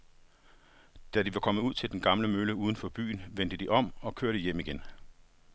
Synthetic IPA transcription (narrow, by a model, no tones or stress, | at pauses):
d̥ædiʋɑ̈kʰɒ̽məuð̞̰ˠt͡sʰe̝ld̥enɡ̥ɑ̈mləmøləuːð̞ˠən̩fɒ̽b̥y̰ːnʋen̰d̥əd̥iʔɒ̽m̰ɒ̽kʰøɐɾ̥əjem̰iɡ̥en